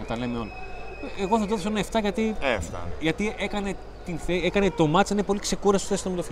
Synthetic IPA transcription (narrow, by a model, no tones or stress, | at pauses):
ut̪ɐlemeoleɣo̞θɐt̪eðsoenɐeft̪ɐʝɐt̪ieft̪ɐ̰ʝɐt̪iʔe̞kɐne̞ | t̪inθeekɐnet̪o̞mɐt̪sinepo̞likse̞kuɾɐsθest̪omelf